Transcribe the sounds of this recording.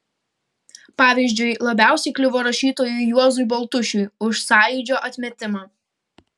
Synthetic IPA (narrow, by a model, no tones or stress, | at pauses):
pɑːʋʲiːˑʒʲd͡ʒʲʊɪlˠɐbʲæˑʊsʲɛɪklʲɪʋoːɾɐʃʲiːt̪oːjʊjuɔzʊjbɐlˠt̪ʊʃʲʊjʊʃsɑːjʊːd͡ʒʲoːʔɐt̪ʲmʲɛt̪ʲɪmɑː